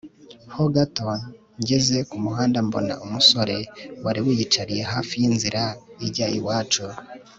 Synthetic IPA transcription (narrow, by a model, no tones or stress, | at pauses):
hoɡato | ɲɟe̞ze̞kumuɦaːndambo̞̰na̰ʔumuso̞ɾe̞waɾiwijit͡ʃaɾije̞ɦaːfijinziɾaibɟaːjiwaːt͡ʃu